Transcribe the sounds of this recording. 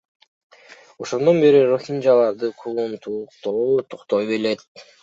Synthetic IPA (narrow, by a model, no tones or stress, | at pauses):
o̞ʃond̪o̞nbe̞ɾiɾoxʲind͡ʒalˠɑɾd̪ɯqʰulˠunt̪uqt̪ot̪ʰo̥qt̪ojbelet̪̚